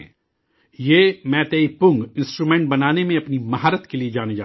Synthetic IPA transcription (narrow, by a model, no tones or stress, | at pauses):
jeːmɛ̃ːt̪eːipʊ̃ŋɡɪ̃nsʈɾuːmɛ̃ːɳʈ̚bɐnaːnemẽɐpnimɐɦaːɾət̪kelied͡ʒaːned͡ʒaː